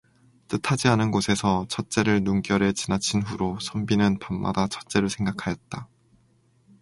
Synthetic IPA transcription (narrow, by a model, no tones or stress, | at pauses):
t͈ɯtʰad͡ʑianɯnɡosʰe̞sʰʌt͡ɕʰʌt̚t͡ɕ͈e̞ɾɯɭnuŋkjʌɾe̞t͡ɕinat͡ɕʰinɸuɾosʰʌmbinɯnpamːa̰dat͡ɕʰʌt͡ɕ͈e̞ɾɯɭsʰe̞ŋɡakʰajʌt̚t͈a